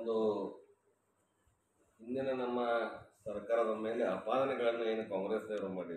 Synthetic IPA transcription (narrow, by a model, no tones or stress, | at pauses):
ond̪u | ɦind̪inɐnɐmːɐsɐɾkaːɾɐd̪ɐme̞ːleapaːd̪ɐnɛɡɐɭɐnːueːnukaːŋɡɾeːseɾumaːɽi